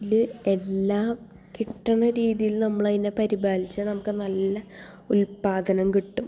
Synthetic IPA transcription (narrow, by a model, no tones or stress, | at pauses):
lɨe̞lːaːm | kiʈːɐɳɐɾiːðijilnɐmːɐɭɐðinːepɐɾibaːlit͡ɕːɐnɐmukːɨnɐlːɐ | ulpaːd̪ʱɐnɐmkiʈːum